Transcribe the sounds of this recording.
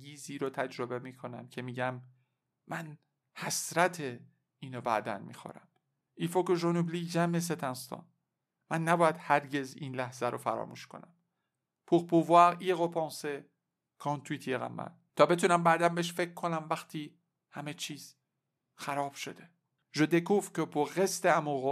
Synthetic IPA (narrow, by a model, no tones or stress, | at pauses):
ɡiːziːɾɔːt̪ʰæd͡ʒɾobe̞miːkʰo̞næmcʰe̞miːɟæmː | æn | hæsɾæt̪ʰe | iːnɒbæ̰ːd̪æ̰nmḭːxo̰ɾæ̰m | ʔifokoʒonubliːd͡ʒæmes̬et̪ʰænst̪ɒ̰ːn | mænːæbɒːjæd̪̥hæɾɟe̞zḭːnlæhz̥æɾʔo̰fæɾɒ̰ːmṵːʃkʰo̞̰næ̰m | pʰuɾpuvæɾiɣopʰɑːnse | kʰɑːnt̪ʰuiːt̪ʰijeɣæ̰mːæ̰n | t̪ʰɒːbe̞t̪ʰuːnæmbæːd̪æmbeʃ̬fekʰːonæmvæxt̪ʰi | hæme̞t͡ʃʰiːz̥ | xæɾɒːb̥ʃod̪e̥ | ʒod̪ekufkopʰuɣest̪eæmuːɣo